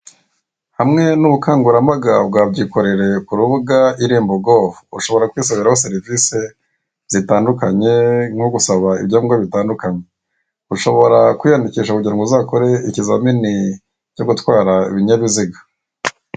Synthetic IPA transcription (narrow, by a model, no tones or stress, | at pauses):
hamŋe̞nuβukaːŋɡuɾamaɡabɡaːbɟiko̞ɾe̞ɾe̞kuɾuβuɡaiɾiːmboɡovuuʃo̞βo̞ɾakwiːsaβiɾahoseɾivise̞ | z̥itaːndukaɲe̞ŋhoɡusaβaḭbɟaːɡoβitaːndukaɲe̞ | uʃo̞βo̞ɾakwijandiciːʃakuɟaŋɡuzaːkoɾe̞icizamini | co̞ɡutwaːɾaḭβiɲaβiziɡa